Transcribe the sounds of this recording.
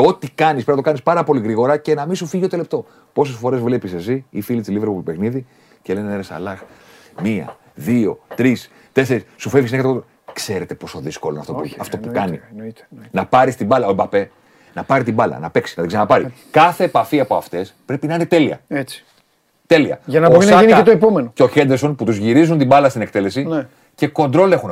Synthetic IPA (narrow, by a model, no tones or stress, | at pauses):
o̞t̪ikɐnispenɐt̪okɐnispɐɾɐpo̞liɣɾiɣo̞ɾɐce̞nɐmisufiʝot̪olept̪o̞ | po̞se̞sfo̞ɾe̞zvle̞pises̬iifilisiliveɾpupe̞xniði | celeneneɾesɐ̰lɐx | miɐ̰ | ðio̞̰t̪ɾis | t̪e̞θeɾissufe̞vʝis̬nekɐt̪eot̪ | kse̞ɾe̞t̪e̞po̞soðisko̞lonɐ̰ft̪oɐft̪opukɐni | nɐpɐɾist̪ibɐlɐoembɐpe̞ | nɐpɐɾit̪̬ibɐlɐ̰nɐpe̞ksi̥nɐt̪ðeɡsenɐpɐɾi | kɐθe̞ːpɐfiɐpo̞ɐft̪e̞spɾepinɐinet̪e̞liɐ̰et͡si̥ | t̪e̞liɐ̰ʝɐnɐboɾinɐnet̪oepomenoceo̞çend̪esonput̪uzʝiɾizunt̪imbɐlɐst̪inekt̪e̞le̞sin | ce̞ko̞nd̪ɾo̞le̞xun